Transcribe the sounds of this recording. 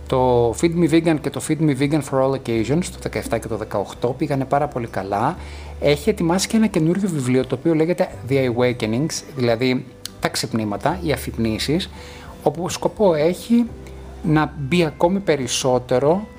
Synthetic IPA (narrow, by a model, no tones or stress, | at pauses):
t̪o̞fid̪miviɡɐnce̞t̪o̞fid̪miviɡɐnfoɾolocejʒo̞nst̪o̞ðe̞kɐeft̪ɐce̞t̪o̞ðe̞kɐoxt̪o̞piɣɐne̞pɐɾɐpo̞likɐlɐ | e̞çie̞t̪imɐsi̥cee̞nɐce̞nuɾʝo̞vivlio̞t̪o̞ːpio̞le̞ɣe̞t̪e̞ðiɐiweceniŋɡsðilɐði | t̪ɐksipnimɐt̪ɐiɐfipnisis | o̞pusko̞po̞e̞çi | nɐbiɐko̞mipe̞ɾiso̞t̪e̞ɾo̞